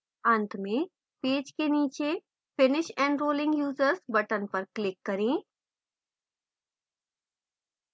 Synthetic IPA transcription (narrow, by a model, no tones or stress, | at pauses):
ə̃nt̪ʰmẽ | peːd͡ʒkeniːt͡ʃe | fɪnɪʃɛ̃ːɳɖɾoːlɪ̃ŋɡjuːzəɾzbɐʈənpɐɾklɪkːɐɾẽː